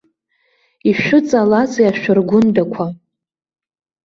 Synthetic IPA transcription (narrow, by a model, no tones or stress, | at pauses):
iʃʷᶣʊt͡sʼalat͡sʼiaʃʷᶣʊrɡʷʊndakʷʰa